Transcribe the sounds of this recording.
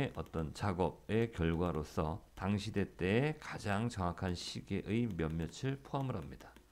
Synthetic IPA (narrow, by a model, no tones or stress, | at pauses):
eʔʌt͈ʌnt͡ɕaɡʌb̚e̞kjʌɭɡwaɾosʰʌtaŋɕʰide̞t͈e̞ekad͡ʑaŋt͡ɕʌŋakʰanɕʰiɡe̞ʔɯjmjʌmːʌt͡ɕʰɯɭpʰoɦamɯɾɦamɲid̥a